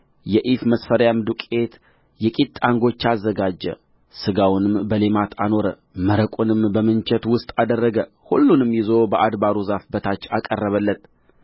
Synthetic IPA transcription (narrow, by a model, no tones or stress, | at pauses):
jɛʔifməsfəɾjamd̪ukʼe̞t̪ | jɛkʼit̪ʼːaŋɡo̞t͡ʃːazːəɡad͡ʒːə̰ | sɨɡawnɨmbəlemat̪ʰano̞ɾə | məɾəkʼunɨmbəmɨnt͡ʃʰɛt̪wʊst̪ʼad̪ərːəɡə | hulːunɨmjɪzo̞bəʔad̪baɾuzafbət̪ʰat͡ʃːakʼərːəβəlːət̪